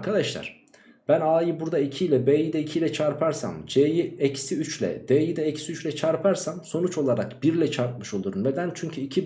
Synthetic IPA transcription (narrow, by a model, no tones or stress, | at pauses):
ɾkʰad̪aʃlˠa̰ɾ̥ | b̥ænaːjibuɾd̪aicʰilʲɛbeːjid̪ɛicʰilʲɛt͡ʃʰaɾpʰaɾsa̰md͡ʒejiɛcsiyt͡ʃlʲɛ̰d̪̥eːjid̪ɛɛcsiyt͡ʃlʲɛt͡ʃʰaɾpʰaɾsamso̞nut͡ʃo̞lˠaɾakb̥iɾlʲɛt͡ʃʰaɾt̪̚mɯʃo̞lˠuɾunned̪ænt͡ʃʰyɲcʰyicʰi